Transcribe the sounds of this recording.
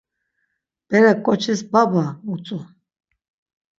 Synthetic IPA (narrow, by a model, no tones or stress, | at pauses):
b̥ɛɾakʼɔt͡ʃʰɛsbabaut͡sʼu